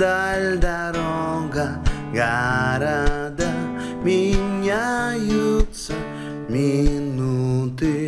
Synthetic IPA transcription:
d̪ald̪a | ɾɔɡa | ɡaɾad̪a | miɲajut̪sa | minut̪i

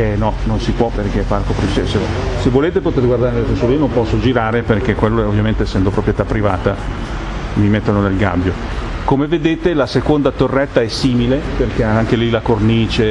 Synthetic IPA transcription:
ɛnɔnonsipwɔperkefarkopɾet͡ʃesesevːoleːt̪epot̪eɾɡward̪aɾenelet̪esuolinompɔsːod͡ʒiɾaːɾeperk̟ekːwelːoovːjament̪eːsːɛnd̪opɾopɾjet̪apːɾiva̰ːt̪a | mimet̪ːononelɡa̰bːjo | komeved̪eːt̪elasekond̪at̪orːɛt̪ːaɛsiːmileperkeaŋk̟elilakorniːt͡ʃe

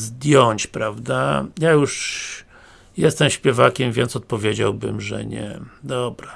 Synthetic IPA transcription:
zd̪ʲjɔɲt͡ɕpɾavd̪ajajuʂ | jɛst̪ɛmɕpʲjɛvakʲɛmvʲjɛnt̪sɔt̪̚pɔvʲjed͡ʑa̰wbɘ̰mʐɛ̰ɲɛ̰d̪ɔbɾa

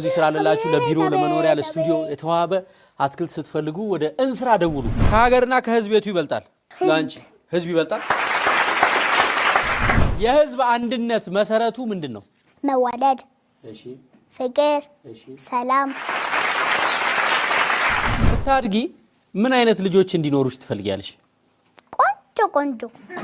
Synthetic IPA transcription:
zisɨɾalːəlːat͡ʃːɛləbiɾo̞ləməno̞ɾjaləst̪ʰud̪ijo̞jɛt̪ʰəwaβə | ʔat̪kʰɨlt̪sɨt̪ʰːfəlːɨɡuwɔd̪əʔɨnsɨɾad̪əwulṵkʰəhaɡəɾɨnːakʰəhɨzbbe̞t̪ʰujɪβəlt̪ʼa̰l | zant͡ʃ | hɨzbjiβəlt̪ʼal | jɛhɨzband̪ɨnːət̪məsəɾət̪ʰumɨnd̪ɨnːə̰w | məwaləd̪ | fɨkʼɨɾ | səlam | t̪ːad̪ɡi | mɨnajnət̪lɨd͡ʒo̞t͡ʃːɨnd̪ino̞ɾusɨ̥t̪ʰːɨ̥fəlːɨɡa̰lːəʃ | kʼond͡ʒʼokʼond͡ʒo

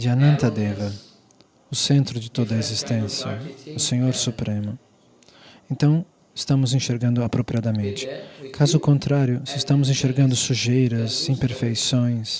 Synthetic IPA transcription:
d͡ʒɪanɐ̃nt̪ɐd̪evɐ | ʊsẽnt̪ɾʊd͡ʒɪt̪od̪ɐezist̪ẽsjɐ̰ʊsẽɲoɾsupɾẽmʊ | ẽnt̪ɐ̃w̃ | ɪ̥st̪ɐ̃mʊzĩʃeɾɡɐ̃nd̪ʊapɾopɾiad̪ɐmẽnt͡ʃɪ̥kʰazʊːkõnt̪ɾaɾjʊsɪst̪ɐ̃mʊzĩʃeɾɡɐ̃nd̪ʊsuʒejɾɐzĩpeɾfejsõj̃s

